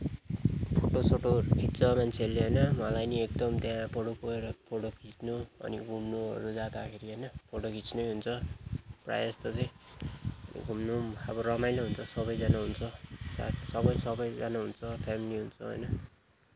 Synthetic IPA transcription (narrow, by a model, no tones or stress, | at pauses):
pʰoʈosʰoʈokʰit̪t͡sʌmant͡sʰeʌlːeɦʌjnʌmʌlajniek̚d̪ʌmt̪japoɽopoeɾʌpʰoɽokʰit͡snuʌ̰niɡʱumnuɦʌ̰ɾud͡zad̪akʰeɾiɦʌjnʌpʰoʈokʰit͡snʌjɦunt͡sʰʌpra̰jʌst̪ʌt͡sʌj̃ | ʌ̰nḭɡʱumnuʌbʌrʌmajnʌɦunt͡sʰʌsʌbʌjd͡zanaɦunt͡sʰʌsa̰sʌbʌjsʌbʌjd͡zanaɦunt͡sʰʌpʰamiliɦunt͡sʰʌɦʌ̰jnʌ